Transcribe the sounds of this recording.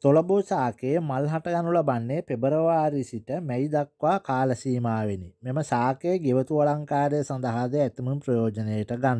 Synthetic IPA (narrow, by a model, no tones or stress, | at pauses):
t̪olɐbosaːkeːmalɦaʈɐɡanulɐbanːepebəɾɐʋaːɾisiʈəmɛjd̪akʋaːkaːlɐsiːmaːʋenimeməsaːkeːɡeʋət̪uʋɐlaŋkaːɾejsɐnd̪ɐɦad̪eɛt̪imumpɾɐjoːd͡ʒɐneːəʈəɡanː